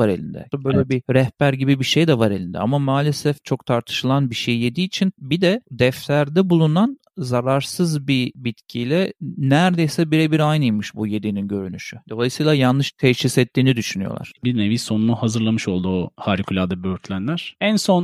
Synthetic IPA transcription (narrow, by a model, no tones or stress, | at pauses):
aɾelʲḭnd̪ɛ̰abø̞jlʲɛbiɾɛhbæɾɟibibiʃejd̪ɛvaɾelʲind̪ɛ̰a̰mamaːlʲesɛft͡ʃʰo̞kt̪ʰaɾt̪ʰɯ̥ʃɯlˠanbiʃejːe̞d̪iːt͡ʃʰinbid̪ɛd̪ɛft̪læɾd̪ɛbulˠunan | zaɾaɾsɯzbibit̪cʰilʲɛnæɾd̪ejsɛbiɾɛbiɾajnɯjmɯʃbuje̞d̪ininɟø̞ɾynyʃyd̪̥o̞lˠajɯsɯjlˠajanːɯʃt̪ʰɛʃisɛt̪ːiːnid̪yʃynyjo̰lˠa̰ɾ̥bineviso̞nunuhazɯɾlˠamɯʃo̞lˠd̪uohaːɾikʰylʲad̪abøɾt̪ʰlʲænlʲæɾ̥ænso̞n